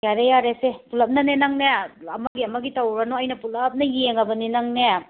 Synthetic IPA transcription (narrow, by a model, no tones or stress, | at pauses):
kaɾejaɾesepulɐp̚nɐnenaŋnejaɐmaɡiɐmɐɡitɐwɾɐnoɐjnɐpulɐp̚nɐjeŋɐbɐnenaŋneja